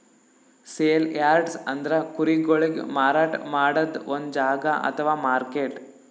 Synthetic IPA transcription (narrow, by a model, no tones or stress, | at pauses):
seːljaːɾɖsɐnd̪ɐɾɐkuɾiɡoɭeɡ̰maːɾaːʈmaːɽɐd̪ond̪d͡ʒaːɡɐʔɐ̰t̪ʰɐʋaːmaːɾkeːʈ